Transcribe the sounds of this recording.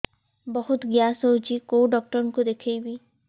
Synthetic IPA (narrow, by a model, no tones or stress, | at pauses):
bɔɦʊt̪ɡjaːsot͡ʃikoɖɔːk̚ʈəɾnkod̪ekʰejbi